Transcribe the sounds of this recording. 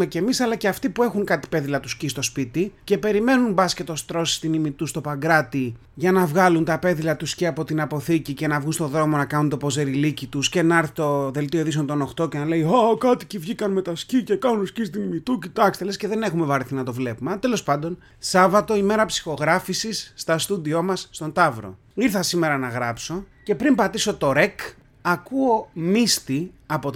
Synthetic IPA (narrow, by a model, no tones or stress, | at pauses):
mece̞misɐlɐceɐft̪ipue̞xuŋkɐt̪i̥pe̞ðilɐt̪uscist̪o̞spit̪ice̞pe̞ɾime̞nunbɐsce̞t̪o̞st̪ɾo̞si̥st̪inimit̪ust̪o̞pɐŋɡɾɐt̪i | ʝɐnɐvɣɐlunt̪ɐpe̞ðilɐt̪usceɐpo̞t̪inɐpo̞θicice̞nɐvɣunst̪o̞ðɾo̞mo̞nɐkɐnunt̪o̞po̞ze̞ɾilicit̪usce̞nɐɐɾθit̪o̞ðe̞lt̪ioðis̬o̞nt̪o̞no̞xt̪o̞ce̞nɐle̞iɐkɐt̪icivʝikɐnmet̪ɐscice̞kɐnunscist̪inmit̪ucit̪ɐkst̪elesceðe̞ne̞xume̞vɐɾiθinɐt̪o̞vle̞pumeɐt̪e̞lo̞spɐnd̪o̞n | sɐvɐt̪o̞ime̞ɾɐpsi̥xo̞ɣɾɐfisisːt̪ɐst̪ud̪io̞mɐsːt̪o̞nt̪ɐvɾo̞̰ | iɾθɐsime̞ɾɐnɐɣɾɐpso̞ce̞pɾimbɐt̪iso̞t̪o̞ɾe̞k | ɐkuo̞mist̪i | ɐpo